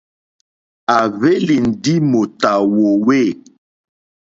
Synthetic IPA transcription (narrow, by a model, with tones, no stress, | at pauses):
a˨ve˦li˨n̩˨di˦mo˨ta˨wo˨we˦˨